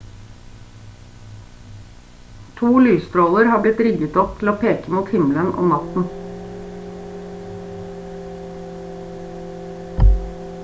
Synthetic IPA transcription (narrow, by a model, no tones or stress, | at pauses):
t̪ʰuːlyːst̪ɾoːləɾhɑːblɪt̪ɾɪɡət̪ɔp̚t̪ʰl̩oːpʰeːkəmuːt̪hɪml̩ənɔ̰mnɑt̪n̩